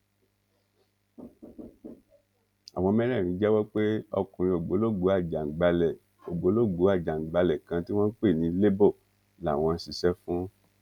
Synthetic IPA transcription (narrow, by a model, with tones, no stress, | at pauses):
a̰˨w̃ɔ̃˧˦mɛ̃˦ɾɛ̃˦˨ɾ̃ĩ˨˧˦d͡ʒɛ˦wɔ˦k͡pe˦ɔ̰˧kũ˨ɾ̃ĩ˧o˨ɡ͡bo˨˦lo˦˨ɡ͡bo˨˦a˦˨d͡ʒa˨ŋ̩˨ɡ͡ba˧lɛ˨ | o˨ɡ͡bo˨˦lo˦˨ɡ͡bo˨˦a˦˨d͡ʒa˨ŋ̩˨ɡ͡ba˧lɛ˨kã˧˦ti˦w̃ɔ̃˦k͡pe˦˨nĩ˧˦le˦bo˦˨ | la˨w̃ɔ̃˧˦si˨˧ʃɛ˦fũ˦